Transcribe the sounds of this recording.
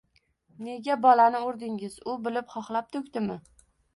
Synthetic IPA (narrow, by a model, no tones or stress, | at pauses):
ne̞ɡʲabɒlanɪʊɾd̪ɪŋɪzʊbɪlɪpχɒχlˠap̚t̪ʰʊkʲt̪ɪmɪ